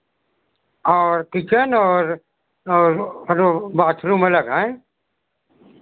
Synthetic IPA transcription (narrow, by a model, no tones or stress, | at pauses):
ɔːɾkɪt͡ʃənɔːɾː | ɾɾbaːt̪ʰɾũːmɐləɡɦɛ̃